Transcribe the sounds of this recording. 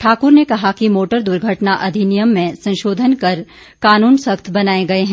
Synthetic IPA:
ʈʰaːkʊɾnekɐɦakimoːʈəɾd̪ʊɾɡʱəʈnaʔɐd̪ʱinɪjəmːẽsɐ̃nʃoːd̪ʱənkɐɾ | kaːnuːnsɐkt̪ʰbɐnaːeɡɐeɦɛ̃

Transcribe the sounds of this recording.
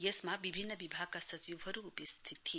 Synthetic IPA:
jesmabibʱinːəbibʱaɡ̚kasɐt͡ʃiʋɦʌɾuːpist̪ʰit̪ʰːi

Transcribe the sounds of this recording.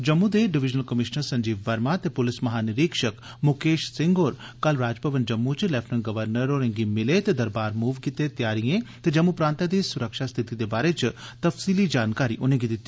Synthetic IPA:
d͡ʒɐmːud̪eɖɪʋɪd͡ʒnəlkɐmɪʃnəɾsɐ̃ɲd͡ʒiːʋːɐɾmat̪epʊlɪsmɐɦaːnɪɾiːkʃək | mʊkeːʃsɪ̃ŋɡoːɾkɐlɾaːd͡ʒpɐʋənd͡ʒɐmːut͡ʃlɛpʰnənɡɐʋəɾnəɾoɾẽŋɡimɪlet̪ed̪ɐɾbaːɾmuːʋkɪt̪et̪jaːɾijẽt̪ed͡ʒɐmːupɾaːnt̪ad̪isʊɾəkʃast̪ʰɪt̪id̪ebaːɾet͡ʃt̪ɐfsiːlid͡ʒaːnkaːɾiʔʊnẽɡid̪ɪt̪ːe

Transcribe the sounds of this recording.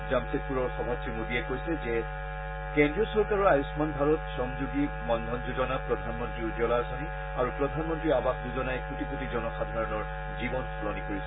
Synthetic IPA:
zamset̚puɹɔɹxɔmɔtʰːimodiɛkojsɛzɛ | kɛndɹiɔsɔɹkaɹɔɹajusmanbʱaɹɔtsɔŋzuɡimɔnd̪ʱɔnzuzɔnapɹɔdʱanmɔntɹiud͡ʒɔlasɔni | aɹupɹɔdʱanmɔntɹiabaxd͡ʒuzɔnajkutiputizɔnɔxadʱaɹɔnɔɹ | zibɔnpʰɔlɔnikoɹisɛ̥

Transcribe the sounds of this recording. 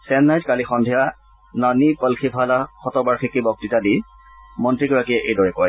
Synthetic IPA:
sɛnːajtkalixɔndʱija | nanipəlkʰibʱalaxɔtɔbaɹxikːibɔk̚titadi | mɔntɹiɡɔɹakiɛʔejdɔɹɛkaj

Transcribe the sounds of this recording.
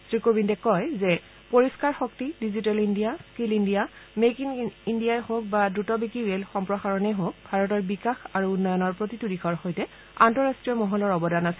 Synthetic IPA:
sɹikobindɛkɔjzɛ | poɹiskaɹxɔk̚tidizitɛlindijaskilindijamekiŋindijajhok̚badɹutɔbikɹiɹelxɔmpɹɔxaɹɔnɛɦok̚bʱaɹɔtɔɹbikaxaɹuːnːɔjɔnɔɹpɹotitudikʰɔɹxojtɛ | antɔɹastɹijɔmɔɦɔlɔɹɔbɔdanasɛ

